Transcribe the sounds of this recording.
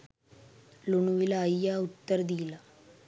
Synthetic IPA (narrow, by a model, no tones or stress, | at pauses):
luɳuʋilɐjːaut̪ːɐɾɐd̪ijilɐ